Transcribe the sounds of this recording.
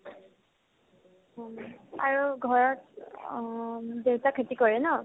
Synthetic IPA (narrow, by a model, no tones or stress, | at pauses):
aɹuɡʱɔɹɔt | dewtakʰetikɔɹɛnɔ